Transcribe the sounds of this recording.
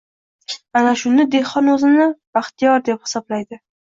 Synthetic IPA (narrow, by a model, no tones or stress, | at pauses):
anaʃʊnɪd̪e̞χɒnɵzɪnɪb̥aχt̪ʰɪjɒɾd̪e̞phɪ̥sɒblajd̪ɪ